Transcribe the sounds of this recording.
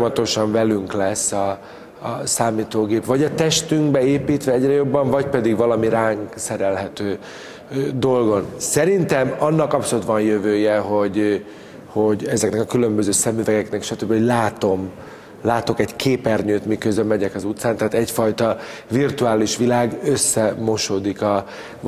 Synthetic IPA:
mɒt̪o̞ʃɒɱvɛlyŋklɛsːɒː | saːmiːt̪oːɡeːpvɒɟɒt̪ɛʃt̪yŋɡbɛeːpiːt̪ʋɛɛɟrɛjo̞bːɒɱvɒcpɛd̪iɡvɒlɒmiɾaːŋksɛɾɛlɦɛt̪øː | d̪o̞lɡo̞nsɛɾint̪ɛmɒnːɒkɒpsolut̪vɒnjøvøːjɛɦo̞ɟ | ho̞ɟɛzɛknɛkɒkylø̞mbøzøːsɛmyvɛɡɛknɛkʃɒt̪øbːihoɟlaːt̪o̞m | laːt̪o̞kɛɟkʰeːpɛrɲøːt̪mikøzølmɛɟɛkɒzut̪saːnt̪aɦːt̪ɛcfɒjt̪ɒ | virt̪uaːliʃʋilaːɡøsːɛmo̞ʃoːd̪ikɒ

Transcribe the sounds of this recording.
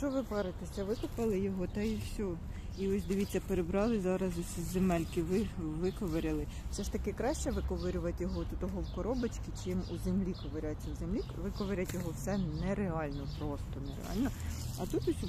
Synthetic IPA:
ʃt͡ʃɔʋɪpɛɾɪt̪esʲɐʋɪkʊpɐlˠɪjɔɦɔt̪ɐiwsʲɔ | iɔsʲd̪ɪʋʲit͡sʲːɐpeɾebɾɑlˠɪzɑɾɐzɔsʲizzemɛlʲkɪʋɪʋɪkɔʋɐɾʲɪlˠɪ | w̥sɛʃt̪ɐkɪkɾɑʃt͡ʃɛʋɪkɔʋɪɾʲʊʋɐtʲjɔɦɔt̪ut̪ɔɦɔwkɔɾɔbɐt͡ʃkʲɪt͡ʃɪmuzemlʲikɔʋeɾʲat͡sʲːɐwzemlʲi | ʋɪkɔʋeɾʲɐtʲjɔɦɔwsɛnɛɾeɑlʲnɔpɾɔst̪ɔneɾḛɑ̰lʲnɔɐt̪ut̪ʊsʲu

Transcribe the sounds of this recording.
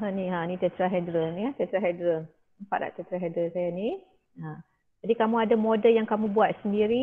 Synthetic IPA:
ɦãniɦãnit̪ət̪ɾaɦɛdɾəlniat̪ət̪ɾaɦɛdɾəl | əmpaʔla̰ʔt̪ət̪ɾaɦedɾəlsajani | ã | d͡ʒadikamũadamodəljaŋkamũbuat̪̚səndiɾi

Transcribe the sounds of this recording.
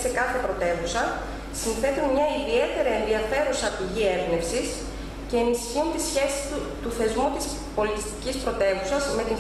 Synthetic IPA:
se̞kɐθe̞pɾo̞t̪e̞vusɐ | sinθe̞t̪unmɲɐiðie̞t̪e̞ɾɐe̞nðiɐfe̞ɾusɐpiʝie̞bne̞psis | ce̞ːnisçiunt̪isçe̞si̥su | t̪uθe̞zmut̪is | po̞lit̪ist̪i̥cispɾo̞t̪e̞vusɐzme̞t̪in

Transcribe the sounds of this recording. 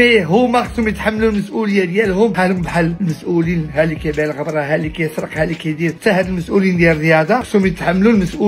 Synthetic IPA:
iɦʊmæqsʊmjət̪ħamːlulməsʔuləjːad̪jælhʊmħalʊmbħalːlməsʔulinɦælikæjbælɣəbɾˤɑɦælikæjəsɾˤəqhælikæd̪iɾt̪ːæhæd̪əlməsʔulind̪jælrəjɑd̪ɑqsumjət̪ħamːlulməsʔu

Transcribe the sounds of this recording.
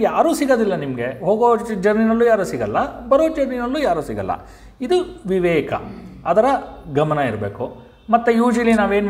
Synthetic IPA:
jaːɾuːsiɡod̪ilːɐnimɐɡe̞ɦoːɡod͡ʒɐɾninɐlːuːjaːɾuːsiɡɐlːɐbɐɾod͡ʒɐɾninɐlːuːjaːɾuːsiɡɐlːɐ̰ | id̪uʋiʋɛːkɐ̰ɐd̪ɐɾɐɡɐmɐnɐiɾbeːku | mɐt̪ːujuːd͡ʒɐlinaːʋe̞ːn

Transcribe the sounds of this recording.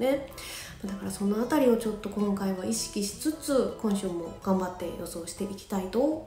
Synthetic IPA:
ne̞ | mad̪akaɾaso̞no̞at̪aɾʲio̞t͡ɕo̞t̪ːo̞kõ̞ŋkaiβaʔiɕi̥kʲiɕi̥t͡sɨt͡sɨkõ̞ɰ̃ɕɨːmo̞ɡ̥ãmbat̪ːe̞̰jo̞so̞ːɕi̥t̪e̞ʔikʲi̥t̪ait̪o̞

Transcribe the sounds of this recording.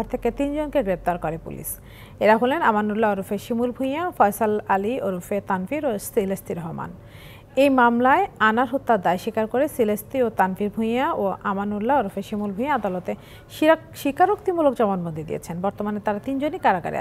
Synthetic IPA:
aɾt̪ʰeket̪ind͡ʑonkeɡɾep̚t̪aɾkoɾepṵlḭʃ | eɾaɦolenamanulːaoɾufeʃimulbʱuj̃afɔjsalalioɾufet̪anfiɾosilesʈiɾɔɦma̰n | ejmamlaeanaɾɦot̪ːad̪ajʃikaɾkoɾesilesʈiot̪anfiɾbʱujaoʔamanulːaoɾufeʃimulbʱuj̃aad̪alot̪e | ʃiɾakʃikaɾokt̪imulok̚d͡ʑɔmonbond̪ʱid̪ḭḛt͡ɕʰenbɔɾt̪omanet̪aɾat̪ind͡ʑonikaɾaɡa̰ɾḭa̰

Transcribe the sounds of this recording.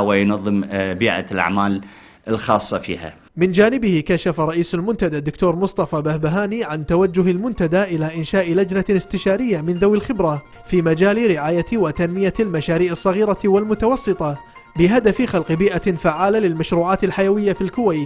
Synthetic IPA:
wajnɑðˤːɨmbiːʔa̰lʔa̰ʕmaːl | ɪlxɑ̰ːsˤːɑfḭːha̰ | mɪnd͡ʒaːnɪbɪhɪkaʃafaɾˤɑʔiːsalmʊnt̪ad̪ad̪ːʊkt̪oːɾˤmʊsˤt̪ˤɑfɑbahbaɦaːniʕant̪awad͡ʒːʊɦɪlmʊnt̪ad̪aʔɪlaʔɪnʃaːʔlad͡ʒnaɪst̪ɪʃaːɾɪjːamɪnðawɪlxɪbɾa | fiːmad͡ʒaːlɾɪʕaːjawat̪anmɪjalmaʃaːɾiːʕɨsˤːɑɣiːɾawɪlmʊt̪awɑsˤːɨt̪ˤɑ | bɪɦad̪afxalqbiːʔafaʕːaːlalɪlmaʃɾuːʕaːt̪ɪlħajawɪjːafilkʊwaːt̪

